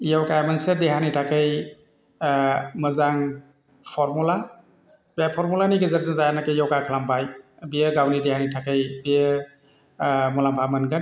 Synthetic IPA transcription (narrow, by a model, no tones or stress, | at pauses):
jawkajmansedeɦanitʰakɯj | mɯzaŋ | pʰɔɾmula | bapʰɔɾmulaniɡəzəɾzənzajanakɯjjɔwkakʰəlampʰaj | bijəɡawnidehanitʰakɯjbijə | mulampʰamɯnɡan